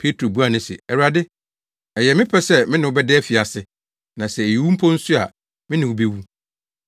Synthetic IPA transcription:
pʰe˦tʰɾo˨bu˦a˨nɪ̃˦sɪ̰˨ɛ˨wu˨a˨dɪ˦ | ɛ˨jɛ˨mɪ̃˦pʰɛ˦sɛ˦mɪ̃˦nɪ̃˨wʊ˦bɛ˦dɛ˦fi˨a˨sɪ˨ | nã˨sɛ˨e˨ji˨wu˦m̩˦pʰɔ˦n̩˦sʊ˦a̰˨ | mɪ̃˦nɪ̃˨wʊ˨be˦wu˦

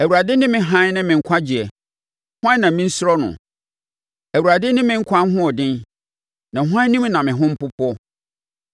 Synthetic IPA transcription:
æ˨wu˨ɾa˨dɪ˦nɪ̃˦mɪ̃˨ɦã˦n˦nɪ̃˦mɪ̃˨ŋ̩˨kʷʰa˦d͡ʑi˨ɛ˨ | hʊ˦ã˦nã˨mɪ̃˦n̩˦sʊ˦ɾɔ˦nʊ̰̃˨ | æ˨wu˨ɾa˨dɪ˦nɪ̃˦mɪ̃˦ŋ̩˦kʰʷa˦n˦ɦʊ̃˦ɔ˨dɪ̃˦n | nã˨ɦã˦nĩ˦m˦nã˨mɪ̃˨ɦʊ̃˦m̩˦pʊ˦pʰɔ˦

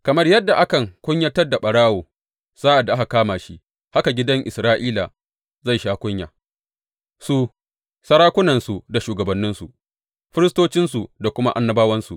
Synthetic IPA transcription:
kɐ˨mɐ˦rjɐ˦dːa˨ʔa˦kɐ˨ŋkʷʊ˦ɲjɐ˦tɐ˦rda˨ɓɐ˨ɽaː˦woː˨ | z̥aː˦ʔa˨dːa˨ʔa˦ka˨kaː˦maː˨ʃi˦ | ha˦ka˨ɡʲɪ˦dɐ˦ŋʔɪ̰˨sɾaː˦ʔiː˦la˨ | za˦˨jʃaː˦kʷʊ˦ɲja̰ː˨ | su˦ | sɐ˦ɽaː˦kʷʊ˦nɐ˨nsu˨da˨ʃuː˨ɡɐ˨bɐ˨nːɪ˦nsu˨ | ɸɪ˦ɾɪ˦stoː˦t͡ʃɪ˦nsu˨da˨kʷʊ˦ma˦ʔa˦nːɐ˦baː˦wɐ˦nsu˨ʔ

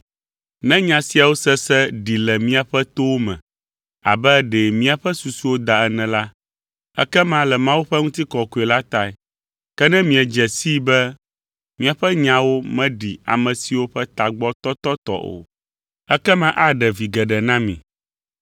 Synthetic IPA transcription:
nɛ̃˦ɲã˨si˨a˨wo˦sɛ˦sɛ˦ɖi˨lɛ˨mĩ˦a˨ɸɛ˦t̪o˦wo˦mɛ̰̃˨ | a̰˨bɛ˦ɖɛ˨mĩ˦a˨ɸɛ˦su˨su˦wo˦d̪a˨ɛ˦nɛ̃˨la˦ | ɛ̰˦kɛ˦mã˦lɛ˨mã˦wu˦ɸɛ˦ŋũ˦t̪i˦kɔ˨ku˨ɛ˨la˦t̪a˨ɛ˨ | kɛ˦nɛ̃˦mĩ˨˦ɛ˨d͡ʒɛ˨si˦bɛ˦ | mĩ˦a˨ɸɛ˦ɲã˨wo˦mɛ̃˦ɖi˨a̰˨mɛ̃˨si˨wo˦ɸɛ˦t̪a˨ɡ͡bɔ˦t̪ɔ˦t̪ɔ˦t̪ɔ̰˦ʔo̰˨ | ɛ˦kɛ˦mã˦ʔa˦ɖɛ˨vi˨ɡɛ˨ɖɛ˨nã˦mḭ̃˨

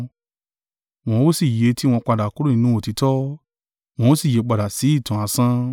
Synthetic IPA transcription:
w̃ɔ̃˧wo˦si˦˨je˨˦ti˦w̃ɔ̃˧k͡pa˧da˨ko˨˦ɾo˦ĩ˨˧nũ˨˦o˦˨ti˨˧tɔ˦ | w̃ɔ̃˧o˦si˦˨je˨˧k͡pa˨da˨si˨˦i˦˨tũ˨a˨˧sã˦

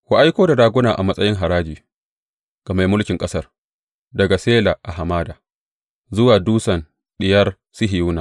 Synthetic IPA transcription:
kʷa˦ʔa˦jkʷoː˦da˨daː˨ɡʷʊ˦naː˨ʔa˨mɐ˦sʼɐ˦jɪ˦ŋɦa˨ɾaː˦d͡ʒiː˨ | ɡ̥ɐ˨ma˨mʊ˦lkʲɪ˨ŋkʼɐ˦sɐ˦r | dɐ˨ɡa˨seː˦la˨ʔa˨ha˨maː˦daː˨ | zʊ˦waː˨duː˦sɐ˨n | ɗɪ˨jɐ˦r | sɪ˦ɦɪ˨juː˦naː˨

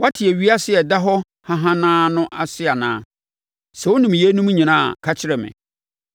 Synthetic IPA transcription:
wa˦tʰɪ˨ɛ˨ɥi˦a˦sɪ˦ɛ˨da˦ɦɔ˦ | hã˦ɦã˦nãː˦nʊ̃˦ʔa˦˨sɪ˦a˨nãː˦ | sɛ˨wʊ˦nĩ˨m˨je˦nũ˦m˦ɲĩ˨nãː˦˨a̰˨kʰa˦t͡ɕʰɪ˦ɾɛ˨mɪ̰̃˨

